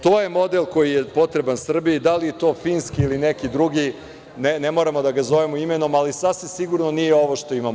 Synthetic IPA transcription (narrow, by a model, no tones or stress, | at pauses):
t̪oːjemo̞d̪elko̞jijepo̞t̪ɾe̞bansr̩biid̪alijet̪o̞ːfinskiːlinekid̪ɾuɡi | nenemoɾamod̪aɡazo̞ʋemoimeno̞malisasʋimsiɡuɾnonijeo̞ʋoʃt̪o̞imam